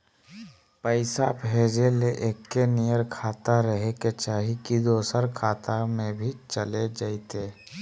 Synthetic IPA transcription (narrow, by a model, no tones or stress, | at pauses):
pəɪsabɦeːd͡ʒeleʔeːkːenijəɾkʰaːt̪aɾəɦeket͡ʃaːɦikid̪oːsəɾkʰaːt̪amẽbʱit͡ʃəled͡ʒaɪt̪eː